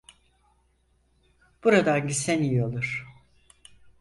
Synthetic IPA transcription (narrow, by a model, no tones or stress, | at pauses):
b̥uɾad̪anɟisenijalˠuɾ̥